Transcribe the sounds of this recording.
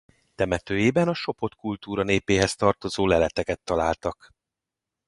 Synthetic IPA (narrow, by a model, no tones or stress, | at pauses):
t̪ɛmɛt̪øːjeːbɛnɒʃo̞po̞t̪kult̪uːɾɒneːpeːɦɛst̪ɒrt̪o̞zoːlɛlɛt̪ɛkɛt̪ːɒlaːlt̪ɒk